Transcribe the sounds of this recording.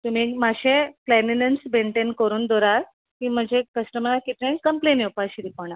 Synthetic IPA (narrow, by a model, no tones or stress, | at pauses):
t̪um̤iːmaɕeplɛninənsbeɳʈenkəɾuːnd̪ɔɾaɾ | kiːm̤əd͡ʑʱekəsʈəmnakit̪jẽkəmplenepaɕiɾipɔɳ̃a